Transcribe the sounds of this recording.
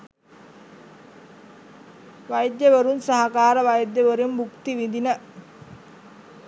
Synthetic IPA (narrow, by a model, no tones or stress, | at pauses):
ʋajd̪jəʋəɾunsaɦakaːɾəʋajd̪jəʋəɾumbukt̪iʋind̪inə